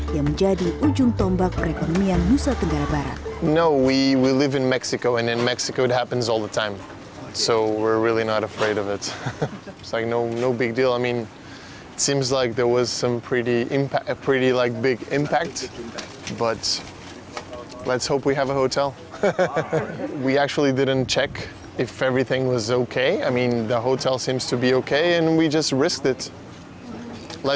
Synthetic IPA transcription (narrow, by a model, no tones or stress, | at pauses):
jaŋməɲd͡ʒadiʔud͡ʒʊŋt̪ɔmbak̚pərɛkonɔmianmusat̪əŋɡaɾabaɾa̰t̪̚noʊwiwilɪvɨ̃nmɛksɨkoʊɨ̃nɨ̃nmɛksɨkoʊɨt̚hæpn̩zɔlˠðətʰãɪ̃m | soʊwɪɹɹɪlˠinəɾəfɹeɪɾʌvɪt̚ | tslaɪk̚noʊnoʊbɪɡ̚dilˠaɪmĩn | ɪtsĩmzlaɪk̚ðə˞wʌz̥sʌ̃mpʰɹ̥ɪɾiʔɪ̃mpʰæpʰɹ̥ɪɾilaɪk̚b̥ɪɡɪ̃mpʰæk̚t | b̥ʌt | lɨtshoʊpwiɨvəhoʊtʰɛlˠ | wiæk̚t͡ʃul̩ˠidɪdⁿn̩t͡ʃʰɛk | ɨfɛvɹiθɪ̃ŋwʌzoʊkʰeɪaɪmĩnðəɦoʊtʰɛlˠsĩmz̥tʰɨbioʊkʰeɪɨ̃nwid͡ʒʌst̚ɹɪsk̚tɨt | la